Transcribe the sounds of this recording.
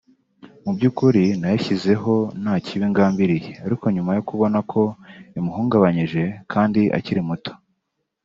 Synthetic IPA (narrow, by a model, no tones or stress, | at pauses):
mubɟuːkuɾinajaçize̞ɦo̞nhaːciβiŋɡaːmbiɾijeaɾiko̞ɲumajo̞kuβo̞nakʰo̞imuɦuːŋɡaβaɲiʒe̞kʰaːndiʔa̰ciɾimuto̥